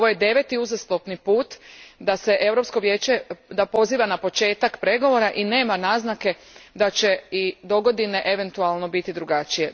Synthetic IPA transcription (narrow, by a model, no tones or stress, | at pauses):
oʋojed̪e̞ʋe̞t̪iuzaslˠopnipuːt̪d̪ase̞ʔe̞wɾo̞psko̞ʋje̞ːt͡ɕe̞d̪apo̞ziːʋanapo̞t͡ʃe̞ːt̪akpɾe̞ɡo̞ʋo̞ɾaʔine̞ːmanaːznake̞ | d̪at͡ʃe̞id̪o̞ɡo̞d̪ine̞ʔe̞ʋe̞nt̪ualˠno̞bit̪id̪ɾuɡat͡ʃije̞